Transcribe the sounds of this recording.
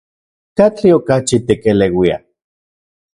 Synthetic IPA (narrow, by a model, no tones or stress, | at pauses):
kat͡ɬiokat͡ʃit̪ikelewia̰